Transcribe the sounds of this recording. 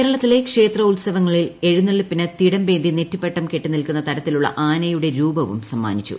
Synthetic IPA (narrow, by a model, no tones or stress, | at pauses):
eːɾɐɭɐt̪ːile̞kʂe̞ːt̪rɐulsɐʋɐŋːɐɭile̞ɻunːeɭːipːinɐt̪iɽɐmbe̞ːnd̪ʱinetːipːe̞ʈːɐmke̞ʈːinilkunːɐt̪ɐɾɐt̪ːiluɭːɐ̰ʔaːnɐjuɽe̞ɾuːbɐʋṵmsɐmːa̰ːnit͡ɕːṵ